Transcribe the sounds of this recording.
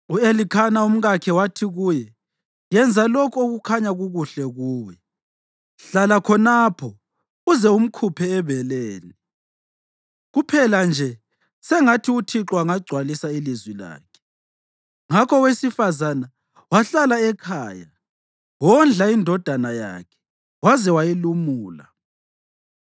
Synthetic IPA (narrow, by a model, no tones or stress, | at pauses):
uelikʰanaum̩ɣakʰɛwatʰiɣujɛ | jɛnd͡zʱalɔkʰoɣukʰaɲaɣuɣuɬɛɣuːjɛ | ɬalakʰɔnapʰɔ | uzɛum̩kʰupʰɛːβɛleːni | ɣupʰɛland͡ʒʱɛ | sɛŋatʰiutʰiǁwaŋaɡ͡ǀʱwalisailizwila̰ːkʰɛ̥ | ŋakʰɔwesifazana | waɬalaɛkʰaːja | wɔnd͡ɮʱaindʱɔd̥ʱanaja̰kʰɛ̥ | wazɛwajilumuːla̰